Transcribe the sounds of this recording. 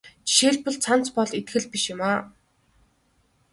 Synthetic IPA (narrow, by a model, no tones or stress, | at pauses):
t͡ɕi̥ʃeːɮpɞ̆ɮt͡sʰan̥t͡spɔɮit̪ɡɘ̆ɮpiʃʊ̆maː